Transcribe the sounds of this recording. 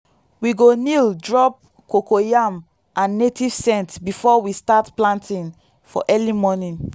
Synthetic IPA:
wiɡonildɹɔp̚ | kokojam | ãnːetʰiv̥sɛ̃ntbifɔwistatplãntʰĩn | fɔ̰ʔɛlimɔnĩn

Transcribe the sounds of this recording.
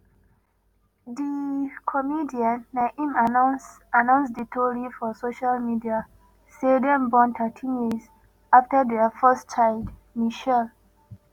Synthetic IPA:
dikʰɔmidiãnːaʔĩm | anãʊ̃nsditʰɔɹifɔsoʃalmidia | sedɛ̃nbɔ̃nt̪ʰətʰĩnjiz | aftədɛfɜst͡ʃʰaɪd | miʃɛl

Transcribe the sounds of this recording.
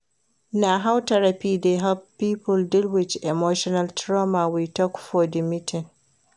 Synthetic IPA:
naɦawtɐɾapiːdeɦɛlppːiːpʊldɪlwɪt͡ʃʔɛmoːʃɔnaltɾɔmawitɔkʷʊ̥foːdɪmɪtʰɪn

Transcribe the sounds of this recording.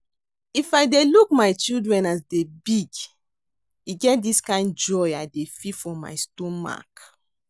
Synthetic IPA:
ifajdeluk̚majt͡ʃildɹɛ̃nasdebiɡ | iɡɛt̚diskãɪ̃nd͡ʒɔjajdefifɔ̃ma̰jstõnma̰k

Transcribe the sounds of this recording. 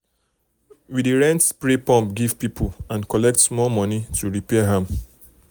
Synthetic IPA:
widiɹɛ̃ntspɹepɔ̃mpɡiv̥pipʰulãnkɔlɛk̚tmɔmɔnitʰuɹipɛaɦãm

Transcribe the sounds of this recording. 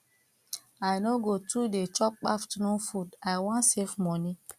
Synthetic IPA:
aɪnoɡotudet͡ʃɔp̚k͡pa̰ftnufudaɪwɔ̃nsefmɔni

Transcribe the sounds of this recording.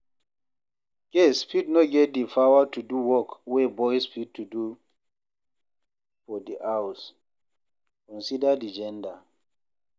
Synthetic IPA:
ɡ̥ɛspidnɔɡɛt̚difawatuduwɔkwebɔjspid̚tʰudu | fɔdiʔaws | kɔ̃nsidadid͡ʒɛ̃nda

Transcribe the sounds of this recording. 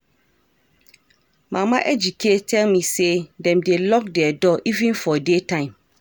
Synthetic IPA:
mãmãʔɛd͡ʑikʰetʰɛlmĩsedɛ̃mdelɔk̚dɛɛdɔʔivĩnfɔdetʰãɪ̃m

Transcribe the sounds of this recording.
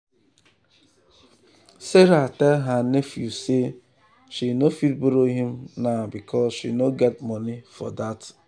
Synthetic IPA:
seɾatɛlɦanefjuse | ʃinofit̚buɾoɦimnabikʰɔzʃḭnoɡɛt̚mɔnifɔ̰dat

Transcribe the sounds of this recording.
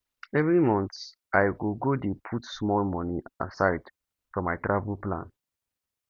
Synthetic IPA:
ɛvɹimɔ̃nθ | ʔajwiɡodepʰutsmɔlmɔnia̰saɪd | fɹɔ̃maɪtɹavəlplã̰n

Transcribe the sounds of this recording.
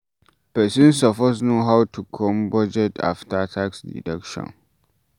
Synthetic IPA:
pɛsĩnsɔfɔs̬noɦawtʰukʰɔ̃mbɔd͡ʒɛtʰa̰ftatʰaksdḭdɛkʃɔ̰̃n

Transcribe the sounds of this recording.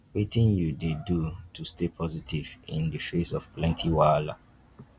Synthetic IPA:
wetĩnjudedutʰustepʰɔzitʰivĩndəfesɔv̥plɛ̃ntʰiwala̰

